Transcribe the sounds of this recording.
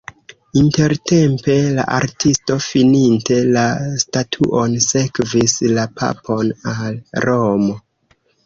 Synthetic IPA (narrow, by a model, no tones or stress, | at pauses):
inte̞ɾte̞mpe̞la̰ʔaɾtʰisto̞fininte̞lastatʰṵʔo̞nse̞kvislapʰa̰pʰo̞nalɾomo̞